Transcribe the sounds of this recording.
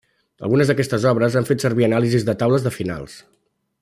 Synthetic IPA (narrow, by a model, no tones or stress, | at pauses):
ə̰lˠɣunəzðəkɛst̪əzɔβɾəzanfet̪səɾβiənalizizðət̪awləzðəfina̰lˠs